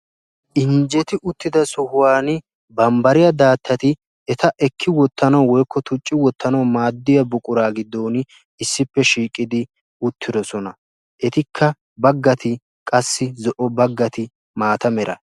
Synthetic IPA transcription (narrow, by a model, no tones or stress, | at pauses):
ʔɪnd͡ʒɛt̪ɪʔʊt̪ːɪd̪ɐsʊhʊwaːnɪ | bɐmbɐɾɪjɐd̪aːt̪ʰːɐt̪ɪ | ɛt̪ɐʔɛkʰːɪwɔt̪ːɐnɐwwɔjkːɔt̪ʊt͡ʃʼːɪwɔt̪ːɐnɐwmaːd̪ːɪjɐbʊkʼʊɾaːɡɪd̪ːoːn | ɪsːɪpːɛʃiːkʼːɪd̪ɪ | ʊt̪ʰːɪd̪ɔsɔnɐ | ʔɛt̪ɪkʰːɐ | bɐɡːɐt̪ɪ | kʼɐsːɪzɔʔɔbɐɡːɐt̪ɪ | maːt̪ɐmɛɾɐ̰